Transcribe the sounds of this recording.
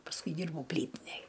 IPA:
pɐsˈkʊɪ ˈdʲiːrbɐʊ ˈpʲlʲiːtʲɪnʲɛj

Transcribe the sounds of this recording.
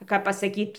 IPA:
ˈkɐp pɐsɐˈkʲiːt

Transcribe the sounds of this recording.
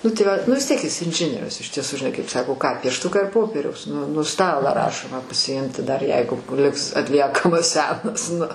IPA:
ˈnʊ tɐɪ ˈʋɐ nʊ ʋʲɪs ˈtʲiɛk ɪs ɪnʲˈʒʲɪnʲiɛrʲʊs ɪʃ tʲiɛˈsʊ ʒʲɪˈnɐɪ kɐɪp ˈsɑːkoː kɑː pʲiɛʃˈtʊkɑː ɪr ˈpoːpʲiɛrʲɛʊs nʊ nʊ ˈstɑːlˠɑː ˈrɑːʃoːmɑː pɐsʲɪˈɪmʲtʲɪ dɐr ˈjɛɪɡʊ ˈlʲɪks ɐtʲˈlʲiɛkɐmɐs ˈsʲæːnɐs nʊ

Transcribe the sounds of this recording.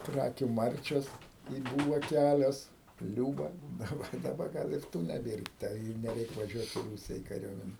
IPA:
ˈkrɑːkʲʊ ˈmɐrʲt͡ʃʲoːs ɪ ˈbʊʋɐ ˈkʲælʲoːs ˈlʲuːbɐ dɐˈbɐ dɐˈbɐ ˈɡɐlˠ ɪr ˈtuː nʲɛˈbʲeːr tɐ ɪ nʲɛˈrʲɛɪk ʋɐˈʒʲuɔt ɪ ˈruːsʲɪjɛ ɪ kɐˈrʲuɔmʲɛnʲɛ

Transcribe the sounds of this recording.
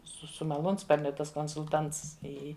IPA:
sʊ sʊ mɐˈlˠuːnspɐrʲnʲʊ ˈtɐs koːnsʊlˠˈtɐnts ɪ ˈɪ

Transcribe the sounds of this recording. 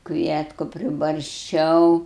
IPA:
ˈkʋʲiɛtkʊ pʲrʲɪbɐrʲsʲˈt͡ʃʲɛʊ

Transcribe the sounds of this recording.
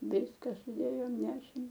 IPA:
ˈʋʲɪskɐ sʊˈdʲeːjoːm ˈnʲæːʃʲeːm

